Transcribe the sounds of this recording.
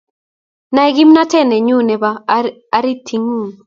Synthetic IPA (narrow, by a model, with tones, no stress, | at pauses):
na˨ɛ˨ɡi˦mna˦tɛ˦˨nɛ˨ɲu˦nɛ˨baː˦ | ɾi˦tʰi˨ŋu˦˨